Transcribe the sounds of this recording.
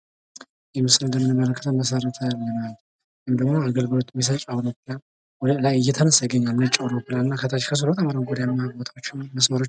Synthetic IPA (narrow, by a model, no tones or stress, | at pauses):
jɛmɨsɨlɨnd̪əmːɨnɨmːələkʰːət̪ʰəmːəsəɾət̪ʰəlːənal | jɨmd̪əɡmoaɡəlɡɨlo̞t̪ʼːmis̬ət͡ʃʼawɾopːla | wɔd̪əlajɨjːɛt̪ʰənəsjɛɡəɲːalmɨnət͡ʃʼːawɾopːɨlanɨnːakʰət̪ʰat͡ʃːkʰəs̬ulwt̪ʰamaɾawnɡʼod̪ijamːaaɡbot̪ʰawot͡ʃːɛwməsməɾot͡ʃː